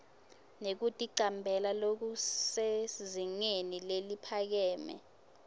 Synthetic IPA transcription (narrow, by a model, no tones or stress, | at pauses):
nek̬utʼiǃambʱɛlalok̬useziŋenilelipʰak̬ɛːmɛ̰